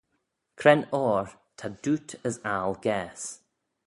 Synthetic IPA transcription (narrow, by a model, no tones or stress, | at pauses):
kʰɾɛnɔːɹ | t̪ʰad̪utʰəsalɡɛːs